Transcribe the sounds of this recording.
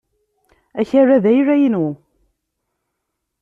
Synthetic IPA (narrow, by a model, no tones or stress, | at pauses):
æçærːæðæjɾæjənu